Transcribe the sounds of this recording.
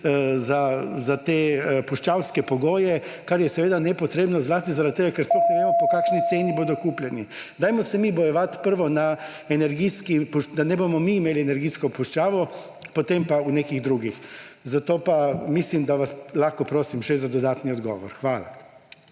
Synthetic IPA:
zazat̪epuʃt͡ʃawskɛpɔɡoːjɛ | kaɾjɛsɛʋeːd̪anɛpɔt̪ɾeːbnɔzlaːst̪izaɾad̪̚t̪ːeːɡakɛɾsplɔxnɛʋeːmɔpɔkaːkʃnit̪seːniboːd̪ɔkuplʲjɛni | d̪aːjmɔsɛmibɔjɛʋat̪pəɾʋɔna | ɛnɛɾɡiskipuʃd̪anɛbomɔmiːmeːliɛnɛɾɡiːskɔpuʃt͡ʃaːʋɔ | pɔt̪empaunekiɣd̪ɾuɡixzat̪oːpamislimd̪aʋaslaxkɔpɾoːsimʃɛzad̪ɔd̪aːt̪niɔd̪ɡɔ̰ːʋɔ̰ɾxʋaːla̰

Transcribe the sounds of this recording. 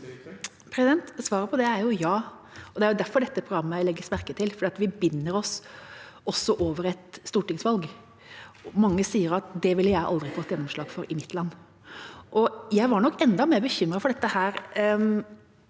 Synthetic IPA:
pʰɾɛsɪd̪ɛnt̪sʋɑːɾəpʰɔd̪ɛæɾjʊjɑː | ɔd̪ɛæɾjʊd̪æɾfɔɖɛt̪ːəpʰɾʊɡɾɑmːəlɛɡːəsmæɾkət̪ʰɪlfɔɖiːɑt̪ʋɪbɪnːəɾɔs | ɔsːɔʔoːʋəɾɛt̪st̪uːʈɪŋsʋɑlɡ | mɑŋːəsiːəɾɑt̪d̪ɛʋɪljæɪʔɑ̰ld̪ɾɪfoːt̪ːjɛnːɔmʂɭɑːɡfɔɾɪmɪt̪ʰːlɑnː | ʔɔjæɪʋɑɾɳɔkːɛnd̪ɑmeːɾbəçʏmːɾɑfɔɖɛt̪ːəhæːɾ

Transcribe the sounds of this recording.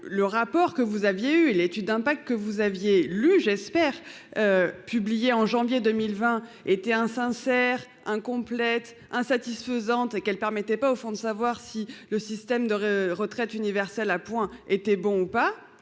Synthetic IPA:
ləʁapɔʁkəvuzavjeyelet̪yd̪̚ːɛ̃pak̚t̪̚kəvuzavjelyʒɛspɛːʁ | øpyblijeɑ̃ʒɑ̃vjed̪əmilvɛ̃et̪ɛɛ̃sɛ̃sɛʁ | ɛ̃kɔ̃plɛt̪ | ɛ̃sat̪isfəzɑ̃t̪ekɛlpɛʁmɛt̪ɛpaofɔ̃d̪əsavwaʁsiləsist̪ɛmd̪əʁət̪χɛt̪ynivɛʁsɛlapwɛ̃et̪ɛbɔ̃upa

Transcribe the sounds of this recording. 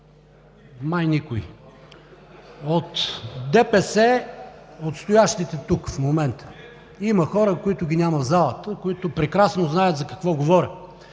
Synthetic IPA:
majnikʊḭ | ot̪d̪ɛpɛsɛ | ot̪st̪ojaʃt̪it̪ɛt̪ukfmomɛnt̪ʰə̥ | iməxɔɾəkoit̪ʊɡʲinʲamɐt̪zalˠət̪əkoit̪ʊpɾɛkɾasnoznajət̪zɐkɐkvɔɡovɔɾʲə

